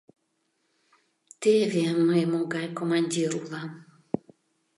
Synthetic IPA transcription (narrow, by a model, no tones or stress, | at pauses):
t̪evʲemːɨmuɡajkomanʲd̪ʲiɾulˠa